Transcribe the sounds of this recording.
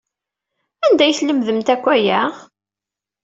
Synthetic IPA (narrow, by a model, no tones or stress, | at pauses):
ænd̪æjθləmðəmt̪ækʷːæjæʁ